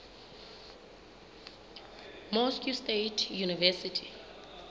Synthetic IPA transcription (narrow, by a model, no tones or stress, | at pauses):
mɔskjustetʰjunivɛsitʰi̥